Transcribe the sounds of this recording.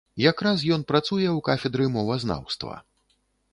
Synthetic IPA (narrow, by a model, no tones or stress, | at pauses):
jakɾas̬jɔn̪pɾat̪sujɛwkafʲɛd̪ɾɨmɔvɐzna̰wst̪vɐ̰